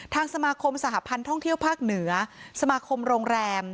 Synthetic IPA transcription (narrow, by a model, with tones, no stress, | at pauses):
t̪ʰaː˧ŋsa˧maː˧kʰo˧msa˨˩ɦa˦˧˥pʰa˧nt̪ʰɔ˥˩ŋt̪ʰi˥˩əwpʰaː˥˩k̚nɯ˩˦ɐsa˧maː˧kʰo˧mɾoː˧ŋɾɛː˧m